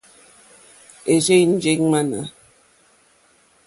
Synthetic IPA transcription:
e˨d͡ʒe˦jn̩˦d͡ʒe˦ŋ˦ma˦na̰˨

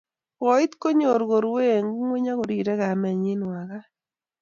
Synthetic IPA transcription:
ɔ˨˦i˦t̪ko˦ɲo˨ɾɣo˨ɾwe˦˨ŋ˦ŋwe˦ɲa˦ɣo˨ɾi˨ɾɛ˦ɣa˨mɛ˨ɲi˦nwa˨ɣa˦

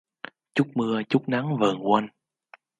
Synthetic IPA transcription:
t͡ɕu˦˥k͡p̚mɨ˧ət͡ɕu˦˥k͡p̚na˨˦ŋvə̰ː˨˩nkwa˧n

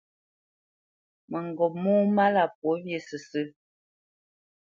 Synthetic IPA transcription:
mə˨ŋ˨ɡɔ˨mɔː˦ma˦la˨p̚wo˨˦bje˨sə˨sə˦

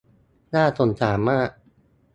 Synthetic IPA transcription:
naː˥˩t̪ʰo˧nt̪ʰaː˩˦mːaː˥˩ʔ

